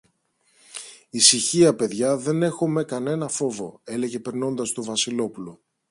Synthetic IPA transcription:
isiçiɐpe̞ðʝɐðe̞ne̞xo̞me̞kɐne̞nɐfo̞vo̞̰e̞le̞ʝe̞pe̞ɾno̞nd̪ɐst̪ovɐsilo̞pulo

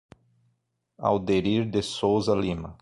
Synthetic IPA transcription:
a̰wd̪eɾiɾd̪ɪsowzɐlĩmɐ

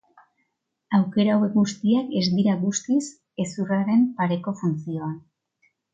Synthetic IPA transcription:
awke̞ɾawe̞kɡust̪iake̞zd̪iɾaɣust̪is | e̞suraɾe̞mpaɾe̞ko̞funt͡sio̞an

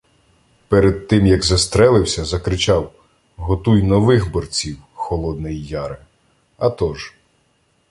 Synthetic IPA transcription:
pɛɾed̪̚t̪ɪmjɐɡzɐst̪ɾɛlˠɪwsʲɐzɐkɾɪt͡ʃɑw | ɦɔt̪ujnɔʋɪxbɔrt͡sʲiwxɔlˠɔd̪nɪjːɑɾɪ | ɐt̪ɔʒ

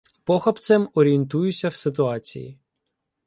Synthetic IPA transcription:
pɔxɐpt̪sɛmɔɾʲient̪ujʊsʲɐwsɪt̪ʊɑt͡sʲḭjḭ

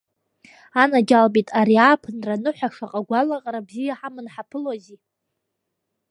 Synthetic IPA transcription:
anad͡ʒalbitʼaɾiaːpʰɨnranɨħʷaʂaqʼaɡʷalaqʼaɾabzijaħamɨnħapʰɨlozi

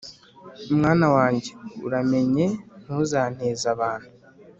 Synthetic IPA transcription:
umŋaːnawaːɲɟe̞ṵɾame̞ɲe̞n̥uzaːn̥he̞ːzaβaːn̥hu

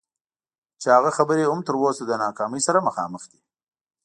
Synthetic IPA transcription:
t͡ʃehaɣaxabəɾeʊmt̪əɾwosad̪ənɑkɑːməjsaɾaməxɑ̰məxd̪i

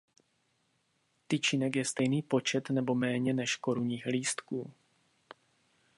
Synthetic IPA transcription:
t̪ɪt͡ʃinɛkjɛst̪ɛjniːpo̞t͡ʃɛt̪nɛbo̞mɛːɲɛnɛʃko̞ɾuɲiːxliːst̪kuː

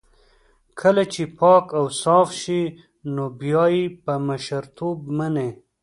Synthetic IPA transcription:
kʰəlat͡ʃepɑkawsɑfʃi | nobjɑjipəmaʃaɾt̪ʰobmane

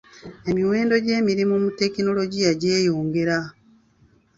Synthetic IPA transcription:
e̞miwe̞ːndo̞ɟe̞ːmiɾimumute̞kino̞lo̞ɟijaɟeːjoːŋɡeɾa

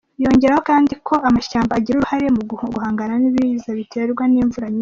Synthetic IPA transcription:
jo̞ɲɟe̞ɾaho̞kaːndikʰo̞amaʃaːmbaːɟiɾuɾuhaɾe̞muɡuhaːŋɡananiβizaβitʰe̞ɾɡwaniːɱvuɾaɲi

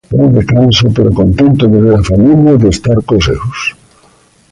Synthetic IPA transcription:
ajðekansopeɾokont̪ent̪oðeβeɾafamiljaðest̪aɾkosḛwʊs

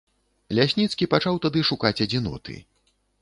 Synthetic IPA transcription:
lʲasʲnʲit̪skʲipat͡ʂawt̪ad̪ɨʂukat͡sʲɐd͡zʲinɔ̰t̪ɨ̰

